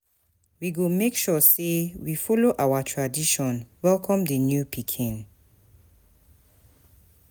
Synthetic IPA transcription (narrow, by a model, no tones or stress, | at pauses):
wiɡomekʃɔsewifɔloʔawatʰɹadiʃɔ̃nwɛlkʰɔ̃mdənjupʰikʰĩn